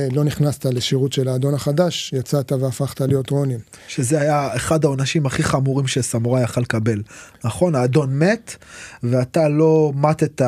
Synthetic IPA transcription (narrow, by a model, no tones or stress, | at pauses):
lo̞niχnast̪aleʃiʁut̪ʃelaːd̪o̞naχad̪aʃjat͡sat̪aveafaχt̪alijo̞t̪ʁonim | ʃezeajaeχadaonaʃimaχiχamuʁimʃesamuʁajaχalkabe̞lnaχo̞naːd̪o̞nme̞t̪veat̪alo̞mat̪e̞t̪a